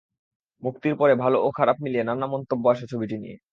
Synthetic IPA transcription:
muk̚t̪iɾpɔɾebʱalookʰaɾap̚milienanamɔnt̪obːoaʃat͡ɕʰobiʈinḭḛ

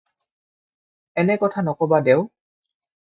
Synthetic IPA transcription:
ɛnɛkɔtʰanɔkɔbadɛʊ

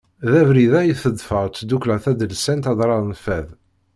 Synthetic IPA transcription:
ðævɾiðæjəθəd̪ˤfəʁt͡sd̪uklæθæd̪əlsænt̪ɑd̪ˤɾˤɑðˤnəfæð

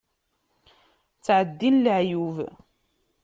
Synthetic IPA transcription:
t͡sːʕəd̪ːinlʕjuv

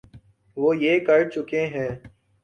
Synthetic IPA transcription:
ʋoːjeːkəɾt͡ʃʊkẽːɦɛ̃ː

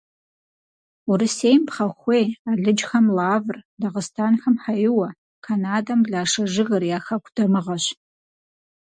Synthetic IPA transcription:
uɾɨseːjmpχɐxʷeːjaːɮɨd͡ʒxɐmlaːvrdɐʁəstʰaːnxɐmħajɪwɐ | kʰanaːdɐmbɮaːʂɐʒɨɣɐrjaːxɐkʷʰd̥ɐmɨʁɐɕ

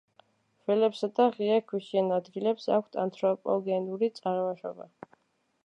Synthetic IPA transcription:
vɛlɛpsad̪aʁiakʰwiʃiɛnad̪ɡilɛpsa̰kʷʰst̪ʰa̰nt̪ʰɾɔpʼɔ̰ɡɛnuɾit̪sʼaɾmɔʃɔ̰ba̰

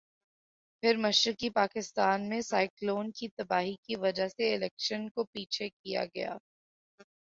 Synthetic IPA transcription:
fʰɪɾmɐʃɾɪkipaːkɪst̪aːnmẽsaːɪkloːnkit̪ɐbaːɦikiʋɐd͡ʒaɦseɪlɛːkʃənkopiːt͡ʃʰekija̰ɡɐja̰ː

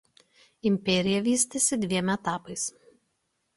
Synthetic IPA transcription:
ɪmʲpʲɛɾʲɪjɛʋʲiːsʲt̪ʲesʲɪd̪ʲʋʲiɛmʲɛt̪ɑːpɐɪs

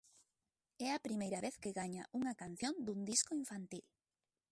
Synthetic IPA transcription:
ɛɐpɾimejɾɐβeθkɪɣaɲa̰ʔuŋɐkan̟θjõnd̪uŋd̪iskoiɱfant̪il

